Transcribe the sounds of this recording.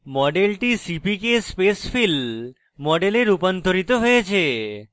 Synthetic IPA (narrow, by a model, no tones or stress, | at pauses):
mɔɖelʈisipikespesfʰil | mɔɖeleɾupont̪ʰoɾit̪oɦojet͡ɕʰe